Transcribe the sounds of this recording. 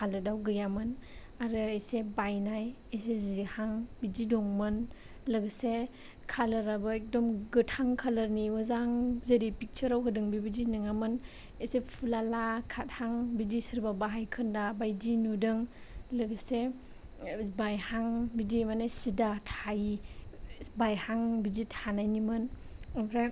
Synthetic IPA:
kʰalɯdawɡɯjamɯn | aɾɯejsebajnaj | esezihaŋbididɔŋmɯn | lɯɡɯse | kʰalɯɾabɯek̚dɔmɡɯthaŋkʰalɯɾniuzaŋzeɾipik̚t͡ʃʰəɾawkɯdɯŋbibidinɯŋamɯn | esepʰulalakʰat̚haŋbidisiɾbabaɦajkʰɯndabajdinudɯŋ | lɯɡse | bajhaŋbidimanesidatʰaj | bajhaŋbid͡ʒitʰanajnimɯn | pʰɾa

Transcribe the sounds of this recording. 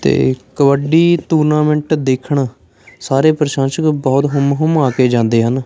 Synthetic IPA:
t̪ḛːkəʋəɖiːt̪uːɾnaːmɛ̃ɳʈd̪eːkʰəɳ | saːɾeːpɾəʃãːnʃəkbɔːt̪ɦʊmɦʊmaːkeːd͡ʒãːnd̪eːɦən

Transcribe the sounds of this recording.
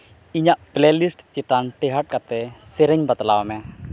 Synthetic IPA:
iɲaʔb̥lelisʈt͡ʃit̪anʈeɦaʈ̚kat̪ɛseɾɪɲbat̪əlawamɛ

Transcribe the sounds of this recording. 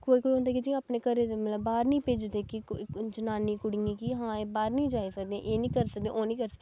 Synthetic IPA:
koːiːkoːiːõːnd̪aːkid͡ʒĩaːpnẽːkəɾeːmələbːaːɾnĩːpeːd͡ʒd̪eːkid͡ʒənaːnĩːkʊɽĩĩːkiɦãːeːbaːɾnĩːd͡ʒaːiːsəkd̪eḛ̃ːʔeːnĩːkəɾsəkd̪ḛ̃oːnĩːkəɾsə

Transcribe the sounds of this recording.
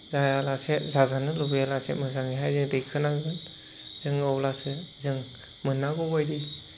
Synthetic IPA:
zajalasezazanɯlubijalasemɯzaŋiɦajzɯŋdɯjkʰɯnaɡɯn | z̥ɯŋɯwlasɯzɯŋ | mɯnːaɡɔbajdi

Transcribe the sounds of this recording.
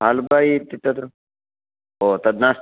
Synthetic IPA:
ɦalbait̪it̪ɐd̪ | oːt̪ɐd̪nas

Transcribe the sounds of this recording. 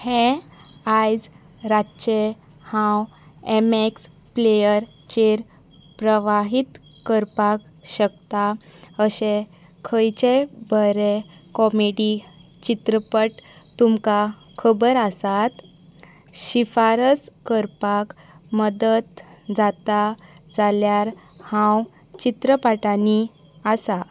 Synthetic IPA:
hẽ | ajd͡z | ɾat͡ɕe | hãw | emeks | plejəɾ | t͡ɕeɾ | pɾəʋaɦit̪ | kəɾpak | ɕək̚t̪aəɕẽ | kʰəjt͡ɕebəɾekɔmeɽi | t͡ɕit̪ɾəpəʈt̪umka | kʰəbəɾasat̪ | ɕifaɾəskəɾpak | məd̪ət̪d͡zat̪ad͡zaljaɾhãw | t͡ɕit̪ɾəpaʈani | asa

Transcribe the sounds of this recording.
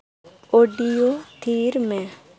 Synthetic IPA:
oːɖijot̪ʰiːɾmɛ̃

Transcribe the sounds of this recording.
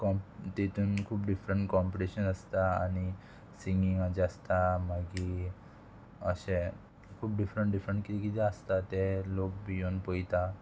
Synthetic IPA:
kɔmt̪et̪uːnkʰuːpɖifɾəɳʈkɔmpiʈeɕənəst̪aañi | siŋɡiŋad͡ʑəst̪amaɡi | əɕẽ | kʰuːp̚ɖifɾəɳʈɖifɾəɳʈkit̪ikit̪ɛəst̪at̪elokbijonpəjt̪a

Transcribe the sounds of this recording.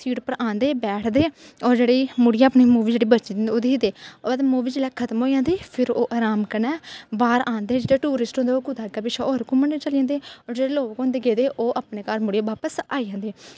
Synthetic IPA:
siːʈpəɾãːnd̪eːbɛːʈʰd̪eːɔːɾd͡ʒeːɽiːmʊɽijãːəpniːmuːʋiːd͡ʒeːɽiːbət͡ʃid̪nd̪oːd̪eːid̪eːt̪ːmuːʋiːd͡ʒeːlɛːkʰət̪mɦoːijãːnd̪eːpʰɪɾoːʔaːɾaːmkənɛːbaːɾãːnd̪eːd͡ʒeːɽeːʈuːɾɪsʈɦõnd̪eoːkʊd̪aːɡaːpɪʃʰaːoːɾkʊ̃məɳet͡ʃəlijãːnd̪eːɔːɾd͡ʒeːɽeːloːkõːnd̪eːɡeːd̪eːʔoːʔaːpneːkaːɾmʊɽijãːʋaːpəsaːiːjãːnd̪eː

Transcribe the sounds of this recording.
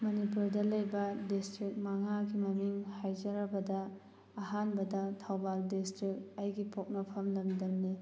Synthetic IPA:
mɐnipuɾdɐlɐjbɐdistɾik̚maŋaɡimɐmiŋhajd͡ʒɐɾɐbɐdɐː | ɦanbɐdɐtʰawbaldistɾik̚ɐjɡipʰok̚nɐpʰɐmlɐmdɐmni

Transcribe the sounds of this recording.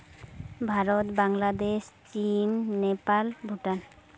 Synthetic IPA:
bʱaɾɔt̪baŋlad̪est͡ʃinːepalbʱuʈan

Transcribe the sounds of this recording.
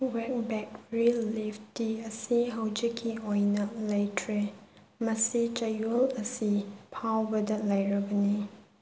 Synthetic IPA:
wɛk̚bɛk̚ɹiliftiɐsiɦawd͡ʒikʰiɔjnɐlajtʰɾe | mɐsit͡ʃɐjlɐsipʰawbɐdɐlajɾɐbɐni

